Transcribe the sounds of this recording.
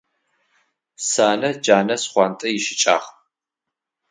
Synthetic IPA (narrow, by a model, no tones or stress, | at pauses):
saːnɐd͡ʒaːnɐsχʷɑntʼɐjɪʃɪt͡ʃʼa̰ːχ